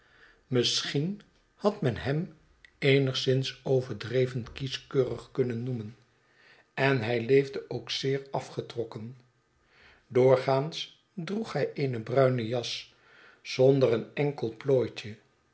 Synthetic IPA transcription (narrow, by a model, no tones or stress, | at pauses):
məsχin | hɑtmɛnɦɛm | ejnəχsɪnsowvəɹdrejvənkiskøːrəχkɵnənːumən | ɛnɦɛjlejvdəʔowksɪːɹɑfχətrɔkən | dʊːɹχaːns | druχhɛjʔejnəbrœɥnəjɑs | z̥ɔndərənɛŋkəlˠploːjcə